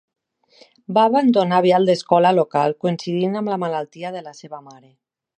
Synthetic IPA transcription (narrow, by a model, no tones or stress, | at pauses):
baːβand̪onaβjalˠd̪eskɔlalokalˠkoinsiðinamlamalalˠt̪iaðelaseβamaɾe